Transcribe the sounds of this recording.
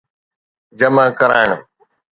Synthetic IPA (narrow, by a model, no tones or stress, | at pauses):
d͡ʒəmãːkəɾaːɪɳ